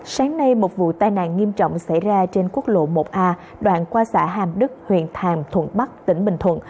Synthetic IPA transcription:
saː˨˦ŋna˧jmo˨˩t̚vṵ˧˨t̪aː˧jna̰ː˧˨nŋi˧əmt͡ɕɔ̰˧˨wŋ͡msa˧˩jzaː˧t͡ɕe˧nku˦˥ək̚lo̰˧˨mo˨˩t̚ʔaː˧ | ɗwa̰ː˧˨nkwaː˧sa̰ː˧˥ɦaː˨˩mɗɨ˦˥k̚hwḭ˧˨ənt̪ʰaː˨˩mt̪ʰwə̰˧˩nɓa˦˥k̚t̪ï˧˩ŋ̟ɓï˨˩ŋ̟t̪ʰwə̰˧˨n

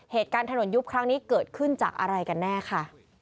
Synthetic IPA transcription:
heː˨˩t̪̚kaː˧nt̪ʰa˧no˨˩˦nju˦˥p̚kʰɾa˦˥ŋniː˦˥kɤː˨˩t̪̚kʰɯ˥˩nt͡ɕaː˨˩k̚ʔa̰˧ɾa˧jka˧nːɛː˥˩kʰa˥˩

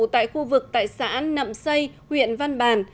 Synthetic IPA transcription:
t̪a̰ː˧˨jxu˧vɨ˨˩k̚t̪a̰ː˧˨jsa̰ː˧˥nnə̰˧˨msə˧j | hwḭ˧˨ənva˧nɓaː˨˩n

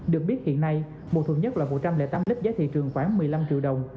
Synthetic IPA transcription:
ɗɨ˨˩ək̚ɓi˦˥ət̚hḭ˧˨ənːa˧j | mo̰˨˩t̪ʰu˨˧˩ɲə˦˥t̚laː˨˩mo˧˩t̚t͡ɕa˧mlɛ̰˧˥t̪aː˨˦mli˦˥p̚zaː˨˦t̪ʰḭ˧˨t͡ɕɨ˨˩əŋxwaː˨˦ŋmɨ˨˩əjla˧mt͡ɕḭ˧˨wɗə˨˩wŋ͡m

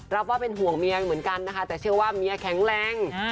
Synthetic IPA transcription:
ɾa˦˥p̚waː˥˩pe˧nɦu˨˩əŋmi˧ɐmɯ˩˦ənka˧nːa˦˥kʰa˦˥t̪ɛː˨˩t͡ɕʰɯ˥˩ɐwaː˥˩mi˧ɐ˧kʰɛ˩˦ŋɾɛː˧ŋ

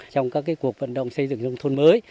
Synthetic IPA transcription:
t͡ɕɔ˧wŋ͡mkaː˦˥kːaː˨˦jku˨˩ək̚və̰˧˨nɗə̰˧˨wŋ͡msə˧jzɨ̰˧˨ŋzə˧wŋ͡mt̪ʰo˧nməː˨˦j

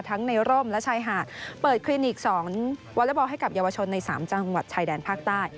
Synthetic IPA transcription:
t̪ʰa˦˥ŋna˧jɾoː˥˩mlɛ˦˥t͡ɕʰaː˧jɦaː˨˩t̪̚pɤː˨˩t̪̚kʰliː˧ni˨˩k̚sɔː˩˦ŋwɔ˦˥lɛ˦˥bɔː˧ɦa˥˩jka˨˩p̚jaː˧wa˧t͡ɕʰo˧nːa˧jsaː˩˦mt͡ɕa˧ŋwa˨˩t̪̚t͡ɕʰaː˧jdɛː˧npʰaː˥˩k̚t̪aː˥˩j

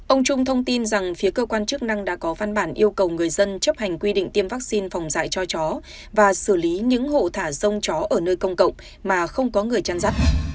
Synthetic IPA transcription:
ʔə˧wŋ͡mt͡ɕʊ˧ŋ͡mt̪ʰə˧wŋ͡mt̪i˧nza˨˩ŋfi˨˦əkəː˧kwaː˧nt͡ɕɨ˦˥k̚na˧ŋɗa̰ː˧˥kɔ˨˦va˧nɓaː˧˩nʔi˧əwkə˨˩wŋɨ˨˩əjzə˧nt͡ɕə˦˥p̚ha˨˩jŋ̟kwi˧ɗḭ˧˨ŋ̟t̪i˧əmvaː˦˥k̚si˧nfa˨˩wŋ͡mza̰ː˧˨jt͡ɕɔ˧t͡ɕɔ˨˦ | vaː˨˩sɨ˧˩li˨˦ɲɨ̰˧˥ŋɦo̰˧˨t̪ʰaː˧˩zə˧wŋ͡mt͡ɕɔ˨˦ʔəː˧˩nəː˧jkə˧wŋ͡mkə̰˧˨wŋ͡m | maː˨˩xə˧wŋ͡mkɔ˨˦ŋɨ˨˩əjt͡ɕa˧nza˦˥t̚

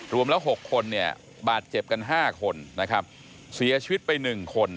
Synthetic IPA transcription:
ɾu˧əmlɛ˦˥wɦo˨˩kʰːo˧nːi˥˩ɐ | baː˨˩t̪̚t͡ɕe˨˩p̚ka˧nɦaː˥˩kʰo˧nna˦˥kʰa˦˥p̚ | si˨˩˦ɐt͡ɕʰi˧wt̪̚pa˧jnɯ˨˩ŋkʰo˧n

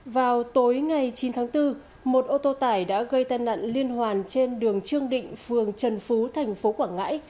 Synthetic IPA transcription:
vaː˨˩wt̪o˨˦jŋa˨˩jt͡ɕi˨˦nt̪ʰaː˨˦ŋt̪ɨ˧ | mo˨˩t̚ʔo˧t̪o˧t̪aː˧˩jɗa̰ː˧˥ɣə˧jt̪aː˧jna̰˧˨nli˧ənɦwaː˨˩nt͡ɕe˧nɗɨ˨˩əŋt͡ɕɨ˧əŋɗḭ̈˧˨ŋ̟fɨ˨˩əŋt͡ɕə˨˩nfu˨˦t̪ʰɛ˨˩jŋ̟fo˨˦kwaː˧˩ŋːa̰ː˧˥j

